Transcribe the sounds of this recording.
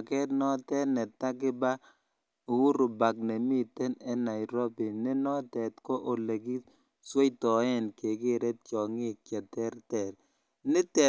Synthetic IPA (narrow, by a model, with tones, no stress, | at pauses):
a˨kɛ˦ɾnɔ˦t̪ɛ˦nɛ˨t̪a˦ɡɪ˦ba˦˨ | wu˦ɾo˨ba˨k̚nɛ˨mɪ˦t̪ɛ˦nɛ˦na˨ɪɾo˦bi˨nɛ˦nɔ˦t̪ɛ˨t̪kɔ˦ʔo˨le˨ɡi˦ | swe˦jt̪ɔ˨ɛ˦nke˨ɡɪ˦˨ɾɛ˦t̚t͡ʃɔ˨ŋɪ˦kɛ˨tɛ˦ɾtɛ˨ɾ | nɪ˦t̪ɛ˨